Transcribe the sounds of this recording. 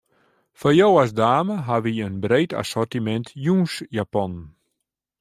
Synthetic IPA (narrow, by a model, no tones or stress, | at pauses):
fɔjowasdaːməɦaʋiənbreːta̰sɔrtimɛntʰjuːsjapɔn